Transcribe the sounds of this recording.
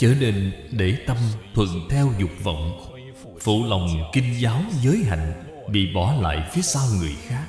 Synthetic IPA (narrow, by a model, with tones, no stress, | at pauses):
t͡ɕəː˧ne˧nɗe˧˩t̪ə˧mt̪ʰwə̰˧˨ŋt̪ʰɛ˧wzʊ˨˩k͡p̚və̰˧˨wŋ͡m | fṵ˧˨la˨˩wŋ͡mkï˧ŋ̟zaː˨˦wzəː˨˦jɦa̰˧˨jŋ̟ | ɓḭ˧˨ɓɔ˧˩la̰ː˧˨jfi˨˦əsaː˧wŋɨ˨˩əjxaː˦˥k̚